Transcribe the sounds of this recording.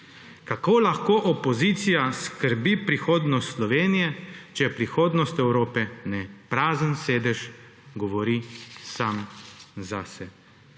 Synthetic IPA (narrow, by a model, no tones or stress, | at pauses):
kakoːlaxkoːʔɔpɔzit̪sijaskəɾbipɾixoːd̪nɔst̪slɔʋeːnijɛt͡ʃɛjɛpɾixoːd̪nɔst̪ɛwɾoːpɛnɛpɾaːzənseːd̪ɛʒ | ɡɔʋɔɾisamzasɛ